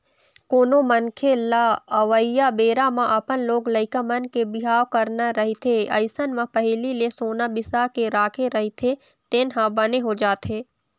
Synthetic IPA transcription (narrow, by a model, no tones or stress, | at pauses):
koːnomənkʰelaəʋəɪjabeːɾamãʔɐpənloːɡləɪkəmənkebɪɦaːwkəɾnaɾɐɦit̪ʰeɐ̰ɪsənmãpəɦɪlilesoːnabɪsakeɾaːkʰeɾɐɦit̪ʰe | t̪eːnɦãbəneɦod͡ʒaːt̪eː